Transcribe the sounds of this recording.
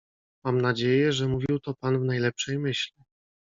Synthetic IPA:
mamnad͡ʑejɛʐɛmuvʲiwt̪ɔpanvnajlɛpʂɛjmɘɕlʲi

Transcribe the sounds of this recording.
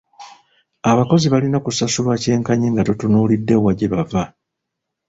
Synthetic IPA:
aβako̞ziβalinakusasuβwace̞ːŋkaɲiːŋɡatutunuːlidːe̞waɟeβava

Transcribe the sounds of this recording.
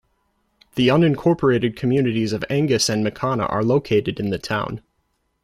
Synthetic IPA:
ðiʌ̃nɨ̃nkʰɔɹpʰə˞eɪɾɨd̚kʰɨmjʉnɨɾizʌvæ̃ŋɡɨsɨ̃nmɨkʰɑnə̰ʔə̰˞loʊkʰeɪɾɨɾɨ̃nðɨtʰãʊ̃n

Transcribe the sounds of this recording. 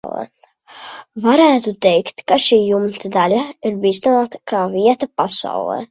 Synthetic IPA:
lˠɛ̰ː | vaɾæːt̪ut̪ɛjkt̪kaʃiːjumt̪ad̪alʲaiɾbiːst̪anaːt̪ḁkʰaːviɛt̪apasa̰wlˠɛ̰ː

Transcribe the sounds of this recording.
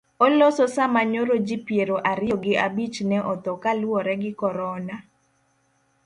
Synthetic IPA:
ɔlɔsɔsamaɲoɾod͡ʒipjeɾoʔaɾɪɔɡɪabit͡ʃnɛʔɔt̪ɔkalwɔɾɛɡɪkɔɾɔna

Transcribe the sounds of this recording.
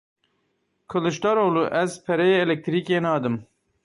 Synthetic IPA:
kʰɨlɨʃt̪ɑːɾoːluʔɛzpʰɛɾɛjeɛlɛk̚t̪ʰɾiːkeːnɑːd̪ɨm

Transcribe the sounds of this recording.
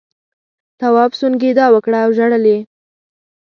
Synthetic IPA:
t̪awɑbsunɡed̪ɑwəkɽaːwʒaɽəle

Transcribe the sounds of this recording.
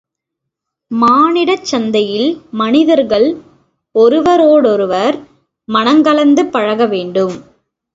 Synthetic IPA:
maːnɪɽɐt͡ʃːɐnd̪ɐjɪlmɐnɪðɐɾɣɐɭ | ɔɾɯʋɐɾoːɽɔɾɯʋɐɾ | mɐnɐŋɡɐlɐnd̪ɯpːɐɻɐɣɐʋeːɳɖɯm

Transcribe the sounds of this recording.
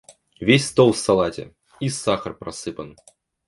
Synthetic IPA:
vʲesʲst̪ɔlˠsalˠatʲɛ̰ | isaxɐrpɾasɨpɐn

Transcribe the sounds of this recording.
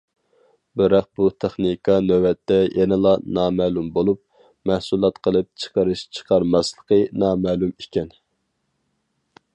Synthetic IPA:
bɪɾɑq̚but̪ʰeχnikʰɑnøwɛt̪ʰːɛjʔɛnɪlˠɑnɑːmɛːlumbolˠup̚ | mæhsulˠɑt̪qʰəlˠɨp̚t͡ʃʰə̥qəɾɨʃt͡ʃʰə̥qʰɑɾmɑslˠə̥qənɑːmɛːlumekʲɛn

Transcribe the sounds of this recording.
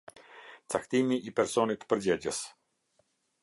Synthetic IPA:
t͡sakt̪imiʔːpɛɾsɔnit̪pəɾd͡ʑɛd͡ʑəs

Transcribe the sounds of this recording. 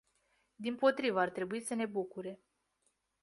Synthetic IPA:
d̪impo̞t̪ɾivəart̪ɾe̞buisəne̞bukuɾe̞

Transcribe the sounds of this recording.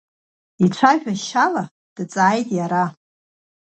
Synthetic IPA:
it͡ʃʷʰaʒᶣaʃala | d̥t͡sʼaːjtʼjaɾa

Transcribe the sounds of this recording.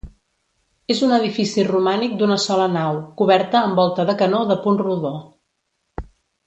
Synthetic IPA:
ezunəð̞ifisirumanik̚d̪unəsɔlənawkuβɛɾt̪əːmbɔlˠt̪əðəkənoðəpunruðo

